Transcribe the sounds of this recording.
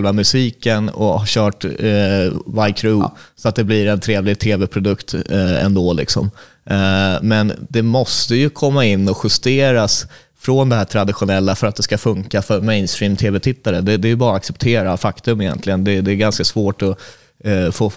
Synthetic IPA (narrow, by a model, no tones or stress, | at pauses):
lvamɵsiːkənɔ̰aɕœːʈ | vajkʰɾʉsɔat̪̚d̪ɛblɪɾɛnt̪ʰɾeːvlɪɡ̚t̪ʰeːvɛpʰɾʊd̪ɵkt̪ɛ̰nd̪oːlɪ̰ksɔ̰m | mɛnd̪ɛmɔst̪əjɵkʰɔmːaɪnːɔɧɵst̪eːɾas | fɾɔnd̪ɛɦæːʈ̪ʰɾad̪ɪɧʊnɛlːafœɾat̪̚d̪ɛskafɵŋkafœɾmɛɪnst̪ɾiːmt̪ʰeːvɛt̪ʰɪt̪ːaɾəd̪ɛd̪ɛæɾjɵbɑːɾaaksɛp̚t̪ʰeːɾafakt̪ɵmɪjɛ̰nt̪ʰlɪɡənd̪ɛd̪ɛːɡanskasvoːʈɔ | foː